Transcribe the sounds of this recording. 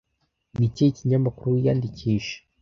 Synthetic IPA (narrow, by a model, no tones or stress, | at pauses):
miceciɲamakuɾuwijandicʰiʃe̥